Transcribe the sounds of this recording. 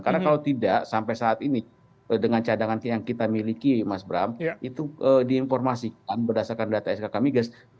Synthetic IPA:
karnakalawt̪idaʔsampajsaːt̪ini | ədəŋant͡ʃadaŋanjaŋkit̪amilikimasbɾa̰mit̪uədiːnformasik̚anbərdasarkandat̪aɛskakamiɡas

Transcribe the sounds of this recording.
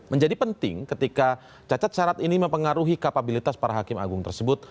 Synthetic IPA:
məɲd͡ʒadipənt̪ɪ̰ŋkət̪ika | t͡ʃat͡ʃat̪̚ʃaɾat̪iniməmpəŋaɾuɦikapabilit̪aspaɾaɦakɪma̰ɡʊŋt̪ərsəbʊt̪̚

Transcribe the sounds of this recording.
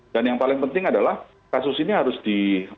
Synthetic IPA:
d̥anjaŋpalɪŋpənt̪ɪŋadalah | kasʊsiniɦaɾʊsd̥i

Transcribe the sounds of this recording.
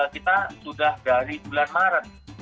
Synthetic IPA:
lkit̪asudahdaɾibulanmaɾən

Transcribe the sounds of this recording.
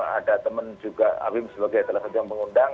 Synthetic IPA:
a̰dat̪əmənd͡ʒuɡaa̰wɪmsəbaɡajsəlasat̪jaŋpəŋundaŋ

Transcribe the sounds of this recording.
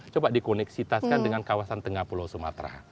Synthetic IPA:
t͡ʃobadikonɛksit̪askandəŋankawasant̪əŋapulosuma̰t̪ɾa̰

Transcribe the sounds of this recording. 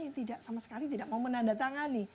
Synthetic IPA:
at̪idaʔsamasə̥kalit̪idaʔmaumənandat̪aŋanːɪ

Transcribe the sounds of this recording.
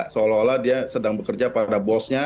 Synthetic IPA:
səolɔoladiasədaŋbəkərd͡ʒapadabɔsɲa

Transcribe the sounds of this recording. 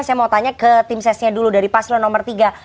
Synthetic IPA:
sajamawt̪aɲakət̪ɪmsɛsɲaduludaɾipaslɔnɔmərt̪iɡa

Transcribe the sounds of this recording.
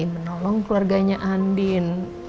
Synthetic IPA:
imənɔlɔŋkluarɡaɲaʔandin

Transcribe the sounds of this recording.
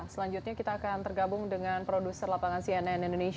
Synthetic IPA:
səlaɲd͡ʒut̪̚ɲakit̪aːkant̪ərɡabʊŋdəŋanpɾodusərlapaŋansiɛnɛnɛndoneʃ

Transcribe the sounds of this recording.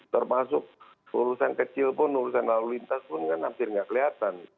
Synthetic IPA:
t̪ərmasʊk̚ | uɾusankət͡ʃɪlpʊnuɾusanlalulint̪aspʊnkanampɪrŋɡaʔkəliat̪an

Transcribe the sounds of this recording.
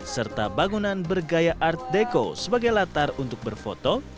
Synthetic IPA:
sərt̪a̰baŋunanbərɡajaʔart̪̚deko̰səbaɡajlat̪arunt̪ʊk̚bərfo̰t̪o

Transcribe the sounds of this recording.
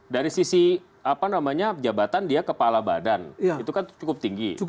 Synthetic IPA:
daɾisisi | apanamaɲad͡ʒabat̪andiakəpalaba̰danit̪ukant͡ʃukʊp̚t̪iŋɡi

